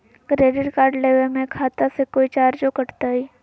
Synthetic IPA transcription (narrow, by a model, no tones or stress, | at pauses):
ɡɾeːɖɪɾkaːɾɖleːʋemẽkʰaːt̪asekoːit͡ʃaːɾd͡ʒokɐʈt̪aɦiː